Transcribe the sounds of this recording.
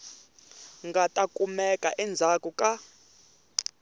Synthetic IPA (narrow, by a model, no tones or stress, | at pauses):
ŋɡatʼakʼumɛkʼaʔɛnd͡zʱakʼukʼa